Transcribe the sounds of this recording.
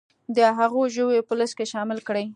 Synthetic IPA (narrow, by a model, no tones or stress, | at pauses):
d̪əɦaɣoʒəwepələskeʃɑmɪlkɽəj